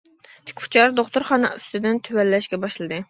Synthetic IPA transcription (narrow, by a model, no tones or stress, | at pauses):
t̪ʰɪ̥kʲʰft͡ʃʰɑɾd̪oχt̪ʊɾχɑnɨ̰yst̪ɪd̪ɪnt̪ʰøwɛlːɛʃɡʲɛbɑʃlˠɨd̪ɨ